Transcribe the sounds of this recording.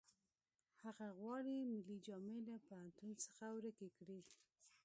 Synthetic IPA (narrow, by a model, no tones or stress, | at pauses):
haɣaɣwɑɽimɪlid͡ʒɑmelapahant̪unsə̥xawɾəkekɽi